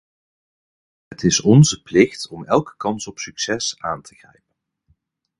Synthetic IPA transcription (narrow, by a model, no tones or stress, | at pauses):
ɦətɪsɔnzəplɪxtɔmɛlˠkə̥kɑnsɔpsyksɛsaːntʰəχrɛ̰jpən